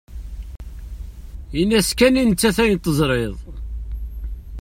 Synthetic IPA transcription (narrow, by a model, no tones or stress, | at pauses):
inːæskænint͡sːæθæjt̪ˤːəzˤɾˤeðˤ